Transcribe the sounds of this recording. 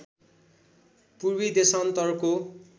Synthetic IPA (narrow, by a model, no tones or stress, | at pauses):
purbid̪esʌnt̪ʌrko